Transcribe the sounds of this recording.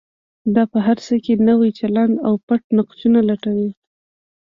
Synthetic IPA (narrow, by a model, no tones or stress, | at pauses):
d̪ɑpəɦaɾsəkenəwajt͡ʃaland̪awpaʈ̚naqt͡ʃunalaʈawi